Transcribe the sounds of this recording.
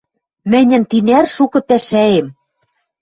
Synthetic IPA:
mɘ̆nʲɘ̆nt̪inærʃukɤ̆pæʃæem

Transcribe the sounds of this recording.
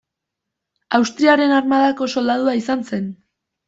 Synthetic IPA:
awst̪ɾiaɾe̞narmaðako̞so̞ld̪aðuaisanse̞n

